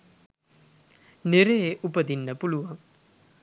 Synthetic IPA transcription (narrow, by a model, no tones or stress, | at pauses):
neɾejeʔupəd̪inːəpuluʋaŋ